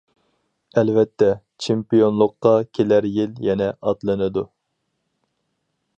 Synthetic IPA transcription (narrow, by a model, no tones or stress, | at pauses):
ɛlvɛt̪ʰːɛ | t͡ʃʰempijonlˠʊqːɑkʲʰelæɾjiljɛnɛʔɑt̪lˠɨnɨd̪u